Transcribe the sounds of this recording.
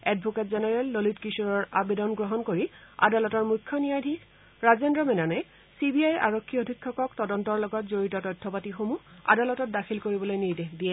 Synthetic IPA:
ɛdbʱɔketzɛnɛɹɛlːolitkisuɹɔɹabedɔnɡɹɔɦɔnkoɹia̰dalɔtɔɹmujkʰːɔnijadʱi | ɹazendɹɔmɛnanɛj | sibiaja̰ɹokʰːiodʱikʰːɔkɔktɔdɔntɔɹlɔɡɔtzoɹitɔtɔjtʰːɔpatixomua̰dalɔtɔt̚daxʰilkoɹibɔlojniɹdeɦdijɛ

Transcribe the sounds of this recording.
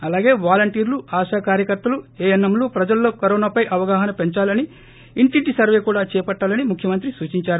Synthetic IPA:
ɐlaːɡe̞ːʋaːlɐɳʈiːɾluaːʃaːkaːɾjɐkɐɾt̪ːɐlueːjɐnːɐmloːpɾɐd͡ʒɐlːo̞ːkɐɾoːnaːpɐjʔɐʋɐɡaːɦɐnɐpe̞ɲt͡ʃaːlɐni | iɳʈiʈisɐɾʋe̞ːkuːɽaːt͡ʃɛːpɐʈːaːlɐnimukʰjɐmɐnt̪ɾisuːt͡ʃiɲt͡ʃaːɾu

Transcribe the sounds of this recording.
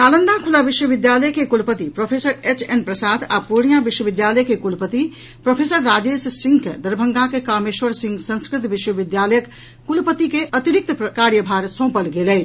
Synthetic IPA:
t̪aːlənd̪akʰulabiʃwəbid̪jaləjkekulpət̪ipɾopʰesəɾet͡ʃʰenpɾəsad̪apuɽ̃ijabiʃwəbid̪jaləjkekulpət̪i | pɾopʰesəɾːad͡ʒessiŋɡkd̪əɾbʱəŋɡakekameʃwəɾsĩŋɡsə̃nskɾit̪biʃwəbid̪jaləjək | kːulpət̪ikeʔət̪iɾik̚t̪pkaɾjəbʱaɾsõpəlɡelɛjt͡ʃʰ

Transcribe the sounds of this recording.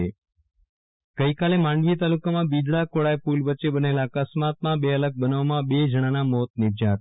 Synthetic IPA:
e | ɡ̥əikalemãɳɖʋit̪alukamãbid̪ɭakoɽajepulʋətːʃebənelakəsmat̪̚mãbeələɡ̚bənəʋmãbed͡ʒəɽ̃anamot̪̚nɪɾd͡ʒat̪

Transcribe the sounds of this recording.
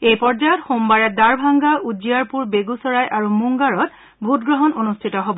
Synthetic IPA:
ejpɔɹd͡ʒajɔtxombaɹɛdaɹbʱaŋɡaʔud͡ʒiaɹpuɹbeɡusɔɹajʔaɹumuŋɡaɹɔt | bʱutɡɹɔɦɔnonustʰitɔɦobɔ

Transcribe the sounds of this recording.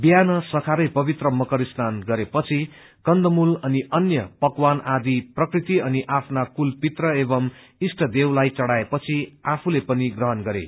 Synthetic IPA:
bjanʌsʌkʰaɾʌjpʌbit̪rʌmʌkʌɾisnanɡʌɾepʌt͡sʰi | kʌnd̪ʌmulʌniʔʌnjʌpʌkwanad̪iprʌkrit̪iʌniʔapʰnakulpit̪rʌebʌm | isʈʰʌd̪ewlajt͡sʌɽaepʌt͡sʰiapʰulepʌniɡrʌɦʌnɡʌɾḛ

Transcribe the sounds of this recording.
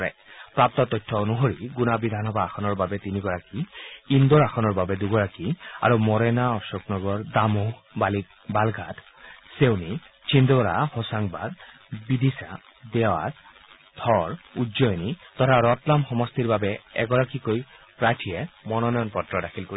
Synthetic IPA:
ɛ̰pɹap̚t̪ɔt̪ɔjtʰːɔonuɦoɹiɡunabid̪ʱanɔbaːxɔnɔɹbabɛt̪iniɡɔɹakiindɔɹaxɔnɔɹbabɛduɡɔɹakia̰ɹumɔɹɛnaɔsɔknɔɡɔɹdamubalik̚ | balɡʱat̪ | sewni | t͡ʃʰindɔɔɾahɔsaŋba̰d̪ | bid̪isa̰ | dɛwa̰t | dʱɔɹudzɔjnit̪ɔtʰaɹɔtlamxɔmɔst̪iɹbabɛɛ̰ɡɔɹakikoj | pɹatʰijɛmɔnɔnɔjɔnpɔtɹɔdakʰilkoi

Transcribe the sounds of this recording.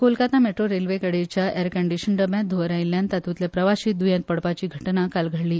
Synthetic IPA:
kolkat̪nameʈɾoɾelʋekəɽet͡ɕjaʔeɾkəɳɖiɕəɳɖəbjãd̪ʱoɾajljãnt̪at̪ut̪lepɾəʋaɕiːt̪̚d̪ujãnt̪̚pəɽpat͡ɕiːɡʱəʈnakalɡʱəɭliː

